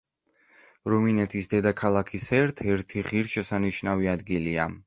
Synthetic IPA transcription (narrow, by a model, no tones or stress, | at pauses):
ɾɔminɛt̪ʰisd̪ɛd̪akʰalˠakʰisɛɾt̪ʰɛɾt̪ʰiʁiɾʃɛsaniʃnaviad̪ɡilia̰